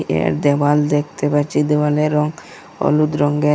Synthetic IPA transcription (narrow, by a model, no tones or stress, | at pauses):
ʔḛɾd̪ɛbald̪ek̚ʰt̪epaɾt͡ʃʰid̪ebaleɾɔŋ | ɔ̰lut̪ɾɔŋɡe